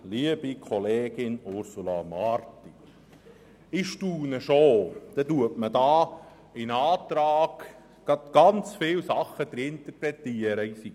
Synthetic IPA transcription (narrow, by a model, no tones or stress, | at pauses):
liəb̥ikʰɔleːɡ̥ɪnʊɾsulɑ̰mɑɾt̪i | ɪʃtuːnəʃod̥̪ɛtuətmədɑː | inɑːt̪ɾɑːɡ̥ | ɡ̥ɑd̪̥ɡ̥ɑnt͡sfɪwsɑχːəd̪əɾɪnt̪ərpɾɛt̪iəɾəisi